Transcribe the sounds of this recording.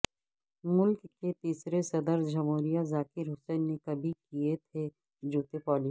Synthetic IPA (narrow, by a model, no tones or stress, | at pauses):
mʊlkːet̪iːsɾesɐd̪əɾd͡ʒɐmɦoːɾijazaːkɪɾɦʊsɛːnːekɐbʱikijet̪ʰe | d͡ʒuːt̪epɔːli